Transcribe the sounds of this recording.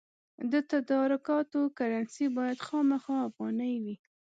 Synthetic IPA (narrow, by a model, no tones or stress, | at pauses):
d̪ət̪ad̪ɑɾʊkɑt̪okaɾansibɑjad̪xɑmaxɑafɣɑnajwi